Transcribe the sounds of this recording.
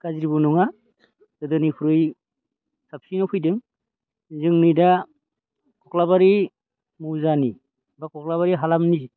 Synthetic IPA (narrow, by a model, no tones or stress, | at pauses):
kaziɾibunuŋa | dɯdɯnipʰuɾɯj | sap̚sinɔpʰɯjdɯŋ | zɯŋnɯjda | kʰɔklabaɾi | muzani | bakʰɔklaβaɾiɦalamni